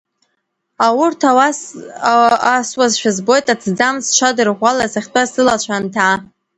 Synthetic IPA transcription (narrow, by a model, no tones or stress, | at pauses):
awʊrtʰaw | aswazʃᶣazbo̞jtʼat͡sʰd͡zamzt͡ʃʷʰadɨrʁʷalazaχʲt͡pʷʼasɨlat͡ʃʷʰantʰaː